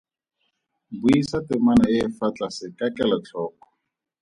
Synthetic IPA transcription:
buisatɪmanaɪːfat͡ɬʼasɪkakɛlɔt͡ɬʰɔːkɔ̥

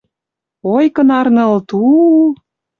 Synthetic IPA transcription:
ojkənɑrnɤ̆lt̪u

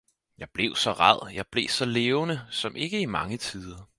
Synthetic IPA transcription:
jɑ̈ɪb̥le̝ʊsɒ̽ʁɑð̰ˠjɑ̈ɪb̥le̝sɒ̽leːʊnəsɒ̽mʔe̝ɡ̥əimɑ̈ŋət͡sʰiːð̞ˠɐ

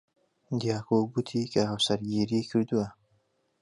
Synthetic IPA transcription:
d̪ijɑːkoɡut̪ʰikaawsaɾɡiɾikʰəɾd̪ua

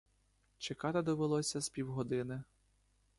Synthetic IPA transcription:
t͡ʃekɑt̪ed̪ɔʋelˠɔsʲɐspʲiwɦɔd̪ɪnɪ

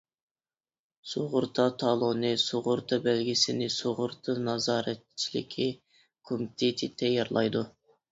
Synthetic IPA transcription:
soʁʊɾt̪ʰɑt̪ʰɑlˠonɨsoʁʊɾt̪ʰɑbælɡʲɪsɪnɪsoʁʊɾt̪ʰɨnɑzɑːɾɛt̪̚t͡ʃʰilɪ̰kʲʰːɪ | kʰomt̪ʰet̪ʰɪt̪ʰɛjɑɾlˠɑ̰jd̪u

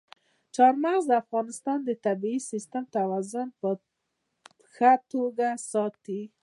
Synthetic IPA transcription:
t͡ʃɑɾmaɣzd̪əafɣɑnɪst̪ɑnd̪ət̪abiisist̪əmt̪awɑzʊnpə | xat̪oɡasɑt̪i

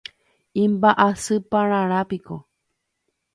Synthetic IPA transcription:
ĩmbaʔasɨpãɾãɾ̃apiko

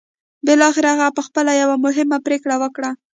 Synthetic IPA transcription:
bɪlɑxɪɾaɣapəxpəlajawamʊɦɪmapɾekɽawəkɽa

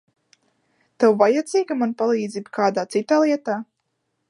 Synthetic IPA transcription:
t̪awvajad̪ziːɡamanpalˠiːd̪ziːbkʰaːd̪aːt̪sit̪aːlˠiɛt̪aː

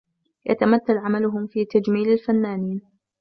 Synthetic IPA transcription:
jʔa̰t̪amat̪ːalʕamalʊɦʊmfiːt̪ad͡ʒmiːlalfanːaːniːn

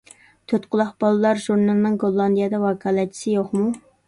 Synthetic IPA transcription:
t̪ʰøt̪qʰʊlˠɑχb̥ɑlˠɨlˠɑɾʒuɾnɑlˠɨnɨŋɡolˠːɑnd̪ijɑd̪ɑwɑkʰɑlˠɛt͡ʃʰi̥sɪjoχmu

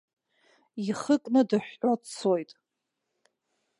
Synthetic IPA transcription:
iχəkʼnɨdɨħᶣːʷot͡sʰojtʼ

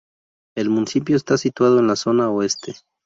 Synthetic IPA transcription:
e̞lmunisip̬jo̞est̪asit̪waðo̞enlaso̞naoe̞st̪e̞

